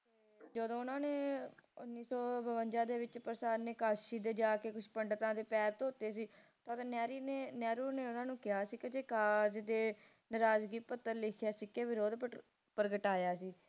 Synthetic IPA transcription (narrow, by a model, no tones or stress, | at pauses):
d͡ʒəd̪õːʊnãːneːʊnːiːsɔːbəʋəɲd͡ʒãːd̪eːʋɪt͡ʃpəɾsaːnːeːkaːʃiːd̪eːd͡ʒaːkeːkʊʃʰpəɳɖt̪ãːd̪eːpɛːt̪oːt̪eːsiː | t̪ãt̪ãːnɛːɾienɛːɾuːɾneːʊnãːnũːkɪɦaːsiːkɪt͡ʃeːkaːd͡ʒd̪eː | nəɾaːd͡ʒɡiːpət̪ːəɾlɪkʰjaːsiːkeːʋɪɾoːd̪p | pɾəɡəʈaːjaːsiː